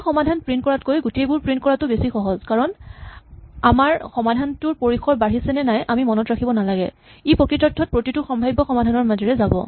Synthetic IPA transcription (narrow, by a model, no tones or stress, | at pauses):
xɔmadʱanpɹintkɔɹatkojɡutejbʊɹpɹint̚kɔɹatʊbesixɔɦɔzkaɹɔn | amaɹxɔmadʱantʊɹpoɹixɔɹbaɦisɛnɛnajʔamimɔnɔtɹakʰibɔnalaɡɛ̰ | ipɹokɹitɔtʰːɔt̚pɹotitʊxɔmbʱajbɔxɔmadʱanɔɹmazɔɹɛzabɔ̰